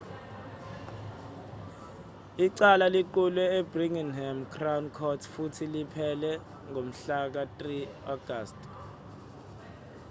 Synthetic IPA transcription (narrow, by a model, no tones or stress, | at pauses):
iǀalaliǃulwɛebriŋiŋɦamkʰrawunkʰɔtʰfutʰilipʰɛlɛ | ŋom̩ɬak̬atʼri | ɔɡ̥ʱast